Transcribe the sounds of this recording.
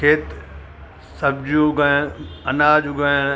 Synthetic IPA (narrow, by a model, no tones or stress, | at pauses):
kʰeːt̪ | sɐb̚d͡ʑũɡãɐnaːd͡ʑũɡã